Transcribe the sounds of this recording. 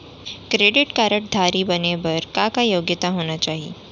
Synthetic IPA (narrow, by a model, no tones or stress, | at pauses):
kɾeɽɪʈkaɾəʈ̚d̪ʱaɾiːbəneʋəɾkakajoɡjət̪aɦonat͡ɕaɦḭ